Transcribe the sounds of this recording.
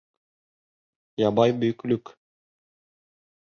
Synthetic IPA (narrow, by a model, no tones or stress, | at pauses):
jɑbɑjbɵjklɵk